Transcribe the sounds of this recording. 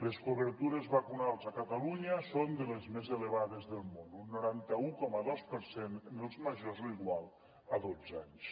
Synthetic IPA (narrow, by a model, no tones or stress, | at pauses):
leskoβəɾt̪uɾezβakunalˠzakat̪aluɲasond̪əlezmezeleβaðezðəlˠmonunːuɾant̪aukɔmaðospəɾsennelˠzmaʒozliɣwalˠ | aðod͡zaɲs